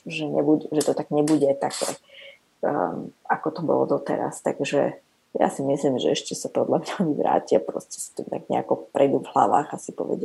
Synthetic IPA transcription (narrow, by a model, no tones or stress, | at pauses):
ʒɛɲɛbuɛʒɛt̪ɔt̪aɡɲɛbuɟɛt̪akɛ | akɔt̪ɔbɔ̰lɔ̰d̪ɔt̪ɛ̰ɾa̰st̪aɡʒɛ | ja̰simislimʒɛɛʃcɛsapɔd̪ʎamɲamiʋɾa̰ːciapɾɔscɛ̥sḁt̪umt̪aɡɲɛ̰akɔpɾʔɛjd̪uvɦlaʋaːɣasipɔ̰ʋɛ̰ɟa